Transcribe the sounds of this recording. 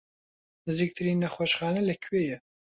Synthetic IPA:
nɨziːk̚t̪ʰɨɾiːnːɐxoːʃχaːnɐlɐkʰweːjɛ

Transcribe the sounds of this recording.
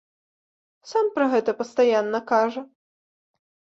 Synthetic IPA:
sampɾɐɣɛt̪ɐpɐst̪ajanːɐkaʐɐ

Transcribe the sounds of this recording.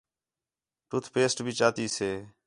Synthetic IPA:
ʈʊt̪ʰpeːsʈbʱiːt͡ʃaːt̪iːseː

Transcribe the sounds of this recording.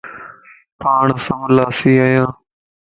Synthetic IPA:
paːɳsə̃mlaːsiːajãː

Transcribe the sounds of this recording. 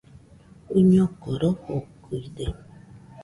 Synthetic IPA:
uɲokoɾohokuide

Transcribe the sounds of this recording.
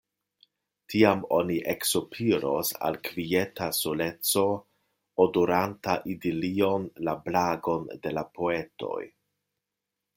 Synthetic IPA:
tʰiamo̞̰niʔeksopʰiɾo̰sa̰lkvie̞tasole̞t͡so̞ | odoɾantaʔidilio̞nlablaɡo̞nde̞lapʰo̞e̞to̞̰j

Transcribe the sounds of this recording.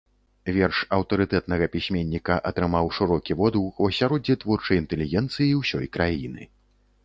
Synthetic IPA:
vʲɛrʂɐwt̪ɐɾɨt̪ɛt̪nɐɣɐpʲisʲmʲɛnʲːikɐʔɐt̪ɾɨmawʂɨɾɔkʲivɔd̪uxwɐsʲaɾɔd͡zʲɛt̪vɔrt͡ʂɐjint̪ɛlʲiɣʲɛnt̪sɨjiwsʲɔjkɾajinɨ̰

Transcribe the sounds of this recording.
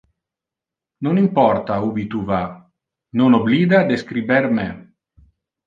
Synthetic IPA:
nonimpɔrt̪aubit̪uva | nonobliːd̪ad̪eskɾibɛɾme

